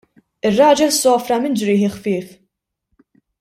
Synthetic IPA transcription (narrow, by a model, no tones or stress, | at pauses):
ɪrːɐːd͡ʒɛlsɔːfɾɐmɪnd͡ʒɾɪːħɪxfɪːf